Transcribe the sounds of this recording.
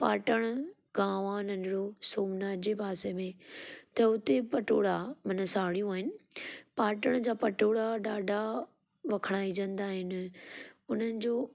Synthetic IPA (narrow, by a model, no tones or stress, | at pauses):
paːʈəɽ̃ | ɡãːʋaːnɐ̃nɾosoːmnaːd͡ʑepaːsemẽt̪ɐʊt̪epɐʈo̰ːɽamɐnəsaːɽijũaːɦɪnɪpaːʈəɽ̃d͡ʑaːpɐʈoːɽaɖaːɖʱa | ʋɐkʰəɽ̃aːid͡ʑə̃nd̪aːɦɪnɪ̆ʊn̤ənɪ̆d͡ʑoː